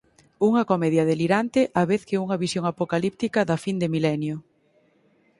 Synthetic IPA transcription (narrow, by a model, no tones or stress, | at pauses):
uŋɐkomɛðjɐðeliɾant̪ɪʔaβeθkeuŋɐβisjoŋapokalip̚t̪ikɐðɐfind̪emilɛnjʊ